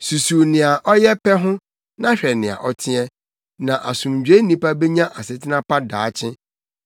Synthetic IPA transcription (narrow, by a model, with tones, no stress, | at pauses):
su˨su˨nɪ̃˨a˨ʔɔ˦jɛ˦pʰɛ˦ɦʊ̃˦ | nã˦ɕᶣɛ˨nɪ̃˨a̰˨ʔɔ˦tʰɪ̃˦ɛ˦ | nã˨ʔa˨sũ˨md͡ʑᶣe˦nĩ˦pa˦be˦ɲã˦ʔa˨sɪ˨tʰɪ˦nã˦pa˦daː˨˦t͡ɕʰɪ̃˦